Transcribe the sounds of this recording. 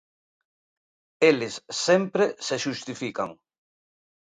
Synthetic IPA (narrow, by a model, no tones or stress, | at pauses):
elɪsːempɾeseʃust̪ifika̰ŋ